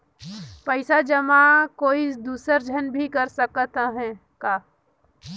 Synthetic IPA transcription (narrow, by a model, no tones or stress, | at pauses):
pəɪsad͡ʒɐmakoːid̪uːsəɾd͡ʒʱənbʱikɐɾsəkt̪aɦɛ̃ː | kaː